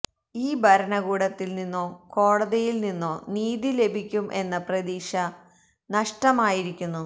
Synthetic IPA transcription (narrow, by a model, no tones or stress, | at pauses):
iːbʱɐɾɐɳɐɣuːɽɐt̪ːilninːoːko̞ːɽɐðejilninːoːniːðile̞bʱikʲːumʔe̞nːɐprɐd̪iːʂɐ | nɐʂʈɐmaːjiɾikʲːunːu